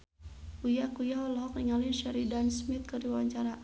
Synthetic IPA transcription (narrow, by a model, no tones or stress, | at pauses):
ujakujaɦɔlɔɦɔk̚niŋalinʃɛɾidansmɪt̪̚kərdiwaɲt͡ʃaɾa